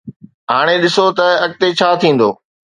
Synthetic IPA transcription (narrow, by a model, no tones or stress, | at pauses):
ɦaːɽ̃eɗɪsot̪ɐɐk̚t̪et͡ɕʰaːt̪ʰĩːn̆d̪o̰ː